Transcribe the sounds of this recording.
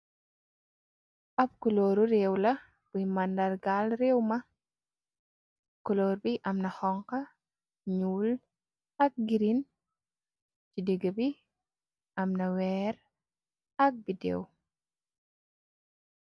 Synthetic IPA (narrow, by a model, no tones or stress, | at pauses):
ʔɐp̚kuloːɾuɾewlɐ | b̥ujmandaɾɡalɾewmɐ | kɔloːɾbiʔɐmnɐhɔŋkɐ | ɲuːl | ɐk̚ɡiɾin | t͡ʃideɡəbi | ɐmnɐwɛːɾ | ɐk̚bidḛw